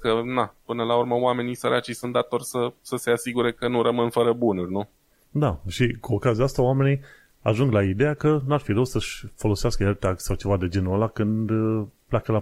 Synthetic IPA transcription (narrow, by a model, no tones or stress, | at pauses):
kənapɨnəlauɾməoame̞nisəɾʔat͡ʃijsunt̪d̪at̪o̞rʲsəsəse̞asiɡuɾe̞kənuɾəmɨnfəɾəbunurʲnu | d̪aʃikuokaziaast̪aoame̞nij | a̰ʒuŋɡlaid̪e̞jakənuarfiɾəwsəʃʲfo̞lo̞seaskəelt̪aksawt͡ʃe̞vad̪e̞d͡ʒe̞nualakɨnd̪plʲakəla